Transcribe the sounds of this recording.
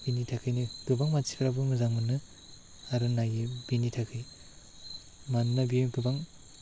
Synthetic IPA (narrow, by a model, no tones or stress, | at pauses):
binitʰakʰɯjniɡ̥ɯbaŋmat͡ʃʰi̥pʰɾabɯmɯzaŋmɯnːɯ | aɾɯnajɯbinitʰakʰɯj | mannabiɡɯbaŋ